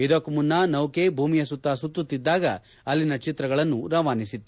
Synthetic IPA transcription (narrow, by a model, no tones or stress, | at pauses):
id̪okmunːɐnɐwke̞bʱuːmijɐsut̪ːaːsut̪ːut̪ːid̪ːaːɡɐ | ɐlːinɐt͡ʃit̪ɾɐɡɐɭɐnːuɾɐʋaːnisit̪ːu